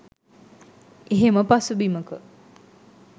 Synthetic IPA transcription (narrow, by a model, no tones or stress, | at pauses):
eɦeməpasubiməkə